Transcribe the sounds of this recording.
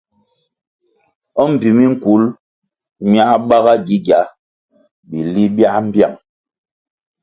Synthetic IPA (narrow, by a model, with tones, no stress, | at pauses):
ɔ˦m̩˨pi˨mi˦ŋ̩˦˨ku˨˦l | mja˦ʔɓa˦ɣa˦ɡi˦ɡja˨˦ | bi˨li˦bja˦ʔm̩˦bja̰˦˨ŋ